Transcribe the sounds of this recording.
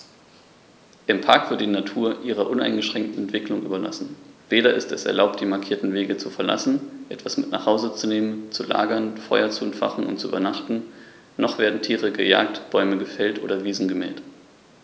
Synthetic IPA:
ʔɪmpʰaɐkv̥ɪɐt̚dinatʰuːɐʔiːʁɐʔʊna̰ɪnɡəʃʁ̥ɛŋk̚tn̩ɛntv̥ɪklʊŋʔyːbɐla̰sn̩veːɾɐɪstɛsɛ̰ɐlaʊp̚td̥iːmaɐkʰiːɐtn̩veːɡət͡sufɛɐla̰sn̩ʔɛtv̥asmɪtna̰ːχhaʊzət͡suneːmənt͡sula̰ːɡɐnfɔʏɐt͡suɛntfa̰χn̩ʊ̰nt̚t͡suʔy̰ːbɐnaχtn̩ | nɔχv̥eːɐdn̩tʰiːʁəɡəja̰ːktb̥ɔʏməɡəfɛltʔo̰ːdɐviːzn̩ɡəmɛ̰ːlt

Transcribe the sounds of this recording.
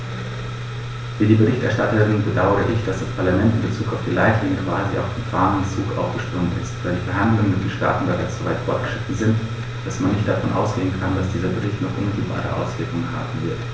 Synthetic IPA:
v̥iːdiːbəʁɪçtɛ̰ɐʃtatɐʁɪnbədaʊəʁəʔɪçd̥asd̥aspʰaɐlamɛntɪnbət͡suːkaʊfd̥iːlaɪtlɪŋəkv̥aːzia̰ʊfd̥eːnfaːnɪmt͡suːkʔa̰ʊfɡ̥əʃpʁ̥ʊŋtɪ̰stv̥aɪldiːfɛɐɦandlʊŋnmɪtd̥eːnʃta̰ːtn̩bəʁaɪt͡sz̥ovaɪtfɔɐt̚ɡ̥ə̥ʃʁ̥ɪtn̩zɪnt | d̥asmanːɪçt̚d̥afɔnʔa̰ʊsɡ̥eːənkʰandasd̥iːzɐbəʁɪçtnɔχʔʊnmɪtʰl̩ba̰ːʁə̰ʔa̰ʊsv̥ɪɐkʊŋənɦa̰ːbm̩vɪɐt

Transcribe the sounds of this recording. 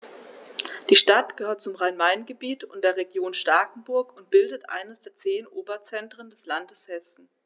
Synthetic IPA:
d̥iːʃtatɡ̥əhøːɐt̚t͡sʊmʁaɪnmaɪnɡəbiːtʊntd̥eːɐʁeɡjoːnʃtaɐkn̩bʊɐkʊnt̚b̥ɪldətʔa̰ɪnəsd̥eːɐt͡seːnʔoːbɐt͡sɛntʁ̥əndɛslandəshɛsn̩

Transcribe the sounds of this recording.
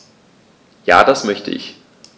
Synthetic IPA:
ja̰ːdasmœçtə̰ʔɪ̰ç

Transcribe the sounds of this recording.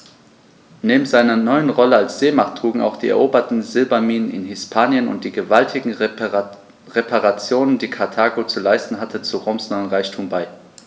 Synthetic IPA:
neːbm̩zaɪnɐnɔʏənʁɔləalsz̥eːmaχtʁ̥uːɡŋ̩a̰ʊxd̥iːɛ̰ɐʔoːbɐtn̩zɪlbɐmiːnənɪ̰nhɪspʰaːnjənʊ̰nt̚d̥iːɡəvaltʰɪɡŋ̩ | ʁepʰaʁat͡sjoːnəndiːkʰaɐtʰaːɡot͡sulaɪstn̩ɦatʰət͡suʁoʊmsnɔʏənʁaɪçtʰuːmbaɪ

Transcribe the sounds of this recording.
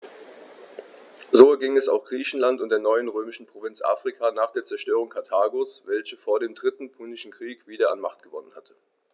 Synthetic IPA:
zoːɛɐɡɪŋɛsa̰ʊxɡ̥ʁiːçn̩lantʊntd̥eːɐnɔʏənʁøːmɪʃn̩pʁ̥ovɪnt͡sʔa̰ːfʁ̥ikʰaːnaːχd̥eːɐt͡sɛɐʃtøːʁ̞ʊŋkʰaɐtʰaːɡosvɛlçəfoːɐdeːmdʁɪtn̩pʰunɪʃn̩kʁ̥iːkv̥iːdɐa̰nma̰χt̚ɡ̥əvɔ̰nənhatʰə̥

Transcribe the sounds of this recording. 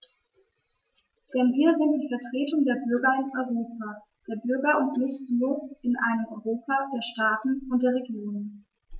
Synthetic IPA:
d̥ɛnviːɐzɪnt̚d̥iːfɛɐtʁ̥eːtʊŋdeːɐbʏɐɡɐɪnɔʏʁoːpa | d̥eːɐbʏɐɡɐʊntnɪst̩loɪnʔa̰ɪnəmʔɔʏʁoːpadeːɐʃtaːtn̩ʊnt̚d̥eːɐʁeɡjoːnən

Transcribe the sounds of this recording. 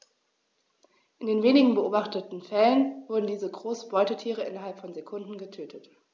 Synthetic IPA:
ʔɪndeːnveːnɪɡŋ̩bəʔoːbaχtətn̩fɛlənvʊɐdn̩diːzəɡʁoːsb̥ɔʏtətʰiːʁ̞əʔɪnɐɦalpfɔnzekʰʊndn̩ɡətʰøːtʰət

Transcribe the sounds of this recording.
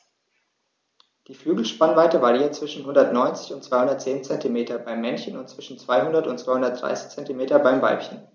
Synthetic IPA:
d̥iːflyːɡl̩ʃpanvaɪtəvaːliːɐt͡sv̥ɪʃn̩hʊndɐtnɔʏnt͡sɪ̥çʊntt͡sv̥aɪhʊndɐt̚t͡seːnt͡sɛntimeːtʰɐbaɪmːɛnçənʊntt͡sv̥ɪʃn̩t͡sv̥aɪhʊndɐtʊntt͡sv̥aɪhʊndɐtd̥ʁa̰ɪsɪ̥çt͡sɛntimeːtɐbaɪmva̰ɪpçən

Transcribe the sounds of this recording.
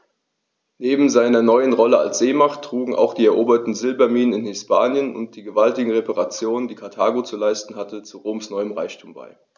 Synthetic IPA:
neːbm̩zaɪnɐnɔʏənʁɔləa̰lsz̥eːmaχtʰːʁ̥uːɡŋ̩ʔa̰ʊxd̥iːɛɐʔoːbɐtn̩zɪlbɐmiːnənɪnhɪspʰaːnjənʊ̰nt̚d̥iːɡəvaltɪɡŋ̩ʁepaʁat͡sjoːnəndiːkʰaɐtʰaːɡot͡sulaɪstn̩hatət͡suʁoːmsnɔʏəmʁaɪçtʰuːmba̰ɪ

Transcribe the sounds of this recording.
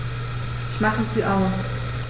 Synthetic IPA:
ɪçmaχəziːʔaʊs

